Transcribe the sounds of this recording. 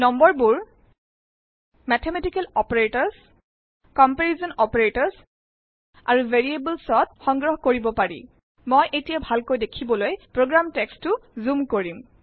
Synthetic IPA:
nɔmbɔɹbuɹ | mɛtʰemɛtikɛlɔpeɹetɔɹs | kɔmpeɹizɔnɔpeɹetɔɹs | a̰ɹuveɹiebəlsɔt̚xɔŋɡɹɔɦkoɹibɔpaɹḭ | mojʔetijabʱalkojdekʰibɔlojpɹoɡɹamtɛkstʊzumkoɹim

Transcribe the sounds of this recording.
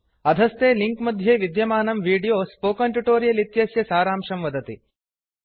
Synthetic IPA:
ɐd̪ʱɐst̪eːliŋkmɐd̪ʱjeːʋid̪jɐmaːnɐmʋiːɖijoːspoːkɐɳʈuʈoːɾijɐlit̪jɐsjɐsaːɾaːmʂɐmʋɐd̪ɐt̪i

